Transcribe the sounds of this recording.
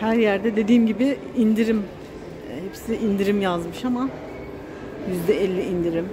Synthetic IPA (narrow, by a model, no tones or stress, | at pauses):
hæɾjæɾd̪ɛd̪e̞d̪iːmɟibɪ | ind̪iɾim | hepsiʔind̪iɾimjazmɯʃama | jyzd̪ɛɛlʲːiind̪iɾim